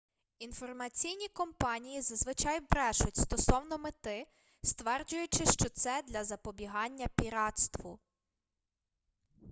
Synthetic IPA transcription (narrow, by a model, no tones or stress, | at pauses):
infɔrmɐt͡sʲijnʲikɔmpɑnʲijizɐzʋɪt͡ʃɑjbɾɛʃʊtʲst̪ɔsɔwnɔmɪt̪ɪ | st̪ʋɛrd͡ʒʊjʊt͡ʃɪʃt͡ʃɔt̪sɛd̪lʲɐzɐpɔbʲiɦɑnʲːɐpʲiɾɑt̪st̪ʋʊ